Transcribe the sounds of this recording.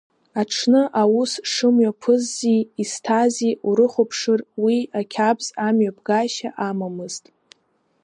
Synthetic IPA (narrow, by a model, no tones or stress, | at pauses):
aʈ͡ʂʰnɨʔawusʂɨmɥapʰɨzːiːstʰaziuɾɨχʷopʰʂɨrwiakʲʰabz̥amɥabʰɡaʃa̰ʔamamɨz̥tʼ